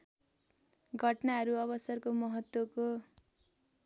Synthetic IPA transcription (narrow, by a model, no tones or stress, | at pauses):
ɡʱʌʈnaɦʌɾuʌbʌsʌrkomʌɦʌt̪woko